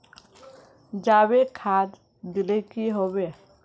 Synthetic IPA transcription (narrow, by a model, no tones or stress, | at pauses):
d͡ʒabekʰad̪ | d̪ilekiɦobe